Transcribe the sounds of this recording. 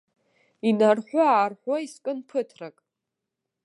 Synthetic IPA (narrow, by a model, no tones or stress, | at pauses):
inarħʷʊaːrħʷaiskʼɨnpʰɨtʰrakʼ